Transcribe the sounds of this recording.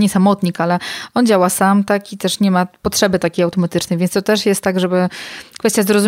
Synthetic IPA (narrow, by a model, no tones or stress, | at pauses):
ɲɛsamɔt̪ɲikalɛɔnd͡ʑawasamt̪akit̪ɛʂɲɛmapɔtʂɛbɘt̪akʲejawt̪ɔmat̪ɘt͡ʂnɛjvʲɛnt̪ɔt̪ɛʂjɛst̪ːaɡʐɛbɘkfɛst̪ʲjazɾɔzu